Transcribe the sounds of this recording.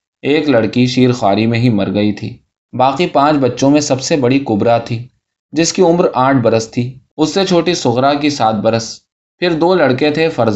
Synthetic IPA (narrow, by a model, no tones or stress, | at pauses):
eːklɐɽkiʃiːɾxwaːɾimẽɦimɐɾɡɐit̪ʰḭː | baːqipãːt͡ʃbɐtːʃõmẽsɐbsebɐɽikʊbɾat̪ʰiː | d͡ʒɪskiʊmɾaːʈ̚ʰbɐɾəst̪ʰiː | ʊsːet͡ʃʰoːʈisʊɣɾakisaːt̪̚bɐɾəs | pʰɪɾd̪oːlɐɽket̪ʰefɐɾz